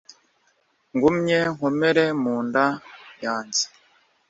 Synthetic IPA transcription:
ŋɡumɲeŋhomeɾemuːndajaːnzi̥

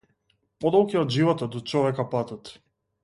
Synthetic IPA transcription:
pɔd̪ɔlˠkiɔd̪ʒivɔt̪ɔd̪ɔt͡ʃɔvɛkapat̪at̪

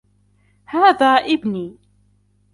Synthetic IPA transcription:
hæðæʔibni

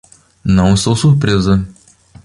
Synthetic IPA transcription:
nɐ̃w̃ɪst̪owsuɾpɾezɐ

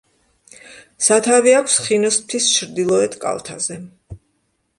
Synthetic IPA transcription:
sat̪ʰaviakʷʰsχinɔst̪ʰist͡ʃʰɾd̪ilˠɔɛt̪ʰkʼa̰lˠt̪ʰa̰zɛ

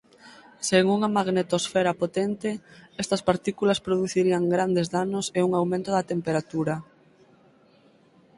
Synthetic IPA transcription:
seŋuŋɐmaɣnet̪osfɛɾapot̪ɛnt̪ɪɛst̪ɐspaɾt̪ikulɐspɾoðuθiɾiɐŋɡɾand̪ezðanʊseuŋawmẽnt̪ʊðɐt̪empeɾat̪uɾɐ

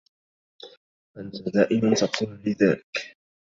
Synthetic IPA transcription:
ʔant̪ad̪aːʔɪmant̪aquːnlɪðaːlɪk

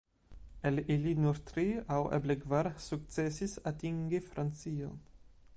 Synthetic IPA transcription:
ɛlilinɔɾt̪ɾiawʔa̰bleɡvaɾsuk̚t̪t͡sɛsisat̪iŋɡefɾʔansiːo̰n

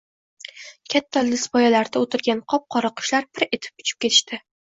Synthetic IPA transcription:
kʲʰat̪ʰːalɪsbɒjalaɾd̪aot̪ʰɪɾɡʲanqʰɒp̚qʰɒɾɑqʰɨ̥ʃlaɾbɪɾe̞t̪ʰɪ̥p̚ʊ̥t͡ʃʰɪ̥p̚kʲe̞t̪ʰɪ̥ʃt̪ɪ

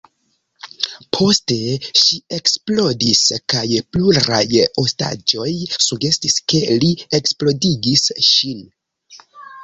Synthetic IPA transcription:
pʰo̞ste̞ʃie̞ksplo̞diskajpluɾajo̞sta̰d͡ʒo̞jsuɡe̞stiske̞lieksplo̞diɡisʃin

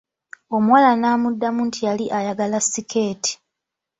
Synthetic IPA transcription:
o̞muwalanaːmudːamuntʰijaliʔajaɡalasːikʰe̞ːti̥

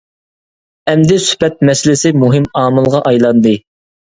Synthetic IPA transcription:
ɛmd̪ɛsy̥pɛt̪̚mɛsɪlɪsɪmuɦɪmɑːmɨlˠʁɑʔɑjlˠɑnd̪ɨ

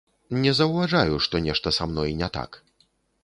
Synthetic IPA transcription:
nʲɛzɐwvaʐajuʂt̪ɔnʲɛʂt̪ɐsamnɔjnʲɛt̪a̰k

